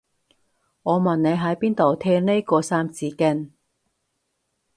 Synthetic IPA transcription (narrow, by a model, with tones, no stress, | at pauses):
ŋɔː˨˧mɐ˨nne˨˧jɦɐ˨˥jpiː˥nt̪o˨wt̪ʰɛː˧˥ne˥jkɔː˧saː˥mt͡siː˨˧kɪ˥n